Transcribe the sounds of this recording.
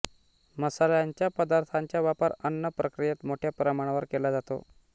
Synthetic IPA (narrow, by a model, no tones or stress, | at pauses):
məsaljaɲt͡ɕjapəd̪aɾt̪ʰaɲt͡ɕjaʋjapaɾənːəpɾʔəkɾijet̪moʈʰjapɾəmaɽ̃aʋəɾkelad͡zat̪o̰